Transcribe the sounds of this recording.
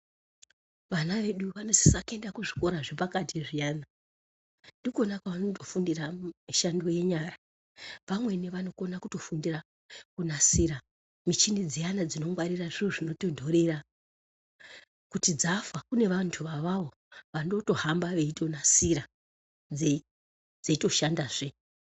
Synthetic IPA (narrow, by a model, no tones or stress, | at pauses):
ʋanaʋe̞ɗuʋano̞si̥sake̞ndakuʐiko̞ɾaʐepakatʰiʐijaːna | ndiko̞nakaʋanoto̞fundiramiʃando̞je̞ɲaːɾa | ʋamwe̞neʋano̞ko̞nakuto̞fundira | kunasiɾa | mit͡ʃinid͡zijanad͡zino̞ŋɡwaɾiraʐiruʐino̞to̞ndʱo̞ɾe̞ɾa | kutid͡zafakune̞ʋantʰuʋaʋaʋo̞ | ʋano̞to̞hambaʋe̞ito̞nasiɾa | d͡ze | d͡zeito̞ʃandaːʐe